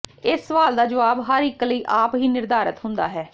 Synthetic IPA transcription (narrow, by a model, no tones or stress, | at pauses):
ɪsːəʋaːld̪aːd͡ʒəʋaːbɦəɾɪkːləiːʔaːpɦiːnɪɾd̪aːɾət̪ɦʊ̃nd̪a̰ːɦɛː